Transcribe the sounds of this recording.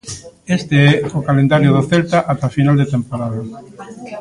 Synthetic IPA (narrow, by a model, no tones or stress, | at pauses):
est̪eɛʊkalend̪aɾjʊðoθɛlt̪aʔat̪afinald̪et̪empoɾaða